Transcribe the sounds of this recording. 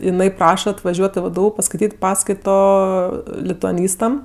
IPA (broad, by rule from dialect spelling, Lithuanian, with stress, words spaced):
ɪˈnɐɪ ˈprɑːʃɐ ɐtʋɐˈʒʲuɔtʲ ɪ ˈʋdʊ pɐskɐɪˈtʲiːtʲ ˈpɑːskɐɪtoː lʲɪtʊɐˈnʲiːstɐm